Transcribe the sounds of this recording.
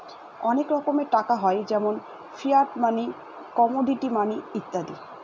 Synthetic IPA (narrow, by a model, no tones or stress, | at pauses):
ɔnekɾɔkomeʈakaɦɔed͡ʑɛmon | fʰiaɾʈmani | kɔmoɖiʈimaniit̪ːad̪i